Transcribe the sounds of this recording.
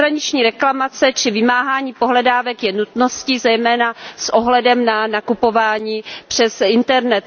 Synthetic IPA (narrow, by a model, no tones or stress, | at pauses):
ɾaɲɪt͡ʃɲiːɾɛklamat͡sɛt͡ʃɪvɪmaːɦaːɲiːpo̞ɦlɛdaːvɛkjɛnut̪no̞scizɛjmɛːnasʔoɦlɛdɛmnanakupo̞vaːɲiːpr̝̥ɛsɪnt̪ɛɾnɛt̪